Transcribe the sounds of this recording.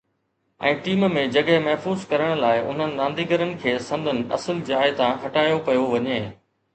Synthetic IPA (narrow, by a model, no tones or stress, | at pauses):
ɛ̃ːʈiːmmẽd͡ʑɐɠɛmɐɦfuːzkɐɾəɽ̃laːɪʔʊ̰n̤ənɪ̆nãːnd̪ʱiːɡəɾənɪ̆kʰeːsɐ̃nd̪ʱənɪ̆ɐ̰səld͡ʑaːɪt̪ãɦɐʈaːjopɐjoʋɐɲeː